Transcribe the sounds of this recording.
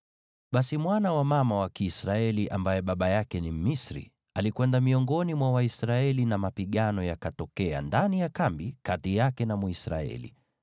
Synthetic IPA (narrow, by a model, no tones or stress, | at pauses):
ɓasimwanawamamawakiːsɾaɛliʔambajɛɓaɓajakɛnim̩misɾḭ | alikwɛndamiɔŋɡɔnimwawaisɾaɛlinamapiɠanɔjakatɔkɛa̰ndanijakambikatijakɛnamuisɾa̰ɛ̰lḭ